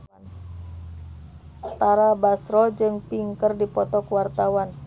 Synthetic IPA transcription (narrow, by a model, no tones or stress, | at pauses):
t̪aɾabasɾɔd͡ʒɨŋpiŋkərdipɔt̪ɔkuwart̪awan